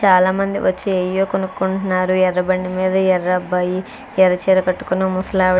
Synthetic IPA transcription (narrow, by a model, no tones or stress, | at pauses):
t͡ʃaːlaːmɐnd̪ḭʋʔɐt͡ʃːiejoːkonukːuɳʈunːaːɾuɛɾːɐbɐɳːimiːd̪ɐɛrːɐbɐji | ɛɾɐt͡ʃeːɾɐkɐʈːu̥kunumusɐlaː